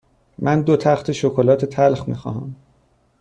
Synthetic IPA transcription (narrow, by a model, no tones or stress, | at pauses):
mʔænd̪ot̪ʰæχt̪ʰeʃokʰolɒːt̪ʰe̞t̪ʰælxmḭːxɒ̰ːɦæ̰m